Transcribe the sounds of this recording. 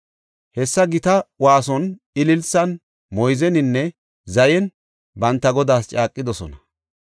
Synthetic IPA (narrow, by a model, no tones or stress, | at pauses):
hɛsːɐɡɪt̪ɐwaːsɔn | ɪlɪlsɐn | mɔjzɛnɪnːɛ | zɐjɛn | bɐnt̪ːɐɡɔd̪aːst͡ʃʼaːkʼːɪd̪ɔsɔ̰nɐ